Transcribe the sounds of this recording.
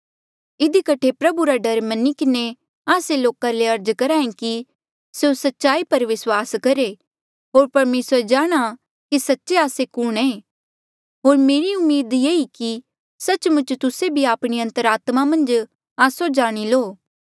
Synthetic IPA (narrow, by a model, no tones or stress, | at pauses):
ɪd̪ikɐʈʰepɾɐbuɾaɖɐɾmɐnikɪne | aːseloːkaleɐɾd͡ʒkɐɾaːẽki | seosɐtːʃaːipɐɾʋɪswaːskɐɾe | ɦoːɾpɐɾmeːsəɾd͡ʒaːɽ̃a | kisɐtːʃeaːsekʊɽ̃ɛ̃ː | ɦoːɾmeːɾiʊmːiːd̪jeːiki | sɐt͡ʃmʊ̃t͡ʃt̪ʊsebʱiaːpɽ̃iɐ̃nt̪əɾaːt̪mamɐ̃nd͡ʒ | aːsod͡ʒaːɽ̃iloː